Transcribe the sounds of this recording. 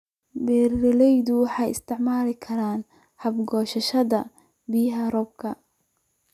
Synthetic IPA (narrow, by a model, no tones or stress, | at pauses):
bɛːrɛlɛjðʊwɑħɑjɪ̰st̪ʰɪʕmaːlɪkʰɐɾaːn | hɐbɡɔːʃɐʃɐðɐ | bijɐɦɐɾɔb̚kʰɐ